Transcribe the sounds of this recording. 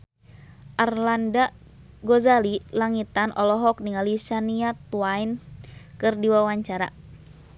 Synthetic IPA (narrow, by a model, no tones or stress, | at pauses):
ʔarlanda | ɡɔzalilaŋit̪anʔɔlɔɦɔk̚niŋalisaniat̪wainkɨrdiwawaɲt͡ʃaɾa̰